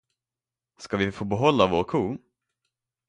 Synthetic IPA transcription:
skavɪfoːbɛɦɔlːavoːɾkʰuː

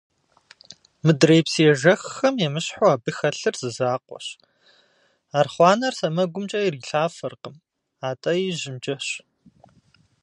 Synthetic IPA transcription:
mɨdrejpsiɛʒɐxxɐmjɛmɨɕħoaːbɨxɐɬɨrzɨzaːqʷɔ̰ɕ | aːrχʷɑːnɐrsɐmɐɡʷʊmt͡ʃʼɐjɪriɬaːfɐrqəm | aːtʼɐjiʑɪmd͡ʒɐɕ

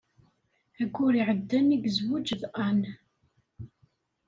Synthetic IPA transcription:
æɡʷʊɾiʕəd̪ːæniɡzwud͡ʒəðʔæn

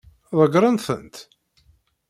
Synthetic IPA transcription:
ðˤəɡɾˤənθə̰nt̪

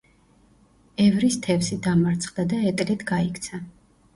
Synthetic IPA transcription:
ɛvɾist̪ʰɛfsid̪amaɾt̪sʰχʼd̪ad̪aɛt̪ʼlɛt̪ʰɡaikʰt̪sʰa

